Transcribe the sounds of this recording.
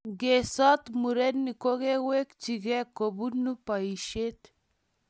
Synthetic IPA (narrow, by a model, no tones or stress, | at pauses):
ɡesat̪muɾenːikoɡewekt͡ʃiɡɛkobunːupaiʃet̪